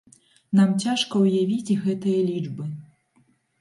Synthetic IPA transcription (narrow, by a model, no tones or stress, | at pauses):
namt͡sʲaʂkɐwjavʲid͡zʲɣɛt̪ɨjɐlʲid͡ʐbɨ